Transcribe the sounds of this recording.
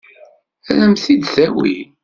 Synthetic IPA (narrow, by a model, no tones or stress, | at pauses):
ælæmθid̪θæwḭ